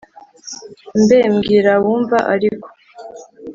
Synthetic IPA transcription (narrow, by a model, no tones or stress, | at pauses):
mbeːmɡiːɾawuːɱvaʔaɾiko̥